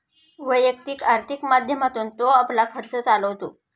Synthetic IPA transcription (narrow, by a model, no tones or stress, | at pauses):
ʋəjək̚t̪ikaɾt̪ʰikmad̪ʱjəmat̪uːnt̪oaplakʰəɾt͡sət͡saləʋt̪o